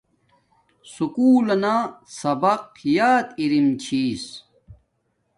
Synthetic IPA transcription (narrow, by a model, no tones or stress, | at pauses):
sukuːlɐnasɐbɐq̚jaːt̪iɾimt͡ɕʰiːs